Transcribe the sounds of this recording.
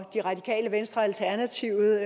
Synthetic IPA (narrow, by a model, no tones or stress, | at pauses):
d̥iʁɑ̈d̥ikʰɛ̰ːləʋensd̥ʁɐælt͡sʰæɐnæt͡sʰiʊ